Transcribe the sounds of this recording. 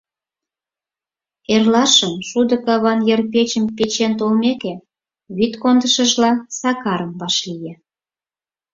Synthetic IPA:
erlɑʃəmʃud̪ə̆kɑβɑnjerpet͡ɕəmpet͡ɕent̪olmeke | βyt̪kond̪əʃəʒlɑsɑkɑɾəmbɑʃlije

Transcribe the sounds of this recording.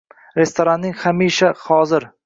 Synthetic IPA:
ɾe̞st̪ʰoɾanːɪŋhamiʃahɒzɪɾ

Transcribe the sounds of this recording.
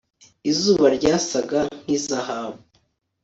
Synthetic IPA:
izuːβaɾɟaːsaɡaŋ̥hizahaβu

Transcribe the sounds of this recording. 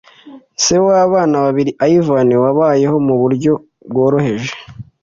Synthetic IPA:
sewaβaːnaβaβiɾiʔaivaniwaβaːje̞ho̞muβuɾɟo̞ | b̚ɡo̞ːɾo̞he̞ʒe̥

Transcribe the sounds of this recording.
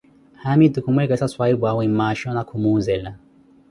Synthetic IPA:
hamid̪ukumɛɡasaswaibwawimaʃɔnakʰumunzɛla

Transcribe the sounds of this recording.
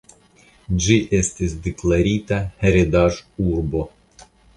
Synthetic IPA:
d͡ʒiʔesʲt̪ʲisʲd̪eklˠaɾʲit̪ɐheɾʲed̪aʐurbo

